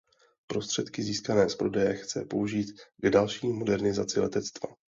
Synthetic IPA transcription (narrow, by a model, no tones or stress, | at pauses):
pɾo̞st̪r̝̥ɛt̪kɪziːskanɛːspɾo̞dɛjɛxt͡sɛpo̞uʒiːt̪ɡdalʃiːmo̞dɛɾnɪzat͡sɪlɛt̪ɛt͡st̪va̰